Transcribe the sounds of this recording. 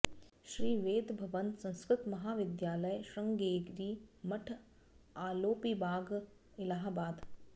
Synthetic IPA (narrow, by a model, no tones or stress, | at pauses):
ʃɾiːʋeːd̪bʱɐʋənsɐ̃ñskɾɪt̪mɐɦaːʋɪd̪jaːləjʃɐ̃ŋɡeːɡɾiːmɐʈʰ | aːloːpibaːɡ | ɪlaːɦbaːd̪